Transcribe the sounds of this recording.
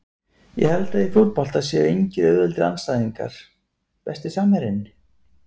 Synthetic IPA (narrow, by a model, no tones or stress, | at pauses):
jɛ̰hɛlt̪aifjowɾ̚pɔl̥t̪aðsjɛejɲcɪɾœːðʏlt̪ɪɾa̰nst̪aːjðiŋka̰ɾ̥ | pɛst̪ɪsaːmɛɾɪnɪ